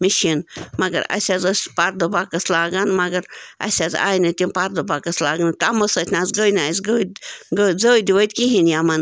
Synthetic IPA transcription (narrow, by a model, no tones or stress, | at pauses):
miʃinmɐɡɐ̰ɾɐ̰sʲazosʲpaɾd̪obakɐslaːɡɐnmɐɡɐɾɐ̰sʲaza̰ːjnɨt̪ʲinpaɾd̪obakɐslaːɡənt̪amɐsət̪ʰʲnazɡəjnasɡəɡəd͡zəːjd̪iʋət̪ʲkiɦinjamɐn